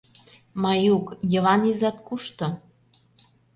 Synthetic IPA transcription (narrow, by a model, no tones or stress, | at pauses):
mɑjukjə̆βɑnizɑt̪kuʃt̪ŏ